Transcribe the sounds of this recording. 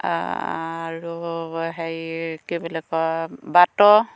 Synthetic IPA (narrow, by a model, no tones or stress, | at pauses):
a̰ | ɹuɦɛjkebɔlɛkɔbatɔ